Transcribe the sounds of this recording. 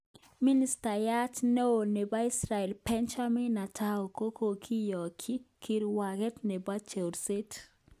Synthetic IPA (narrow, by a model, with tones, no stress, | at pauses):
mi˦ni˦sta˨ja˦tne˦o˨ne˨ba˦i˦sɾa˨ɛ˨lpɛ˦nt͡ʃa˦mi˦na˨tʰa˦o˨ko˦ko˨kʰi˦jɔ˨kʰi˦kʰi˦ɾwa˨ɡɛ˦tne˨ba˦t͡ʃe˨wɾse˦t